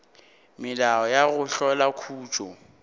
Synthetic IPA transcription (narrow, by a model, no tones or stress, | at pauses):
mɪlaɔjaɣʊɬɔlakʰuːt͡ʃʼɔ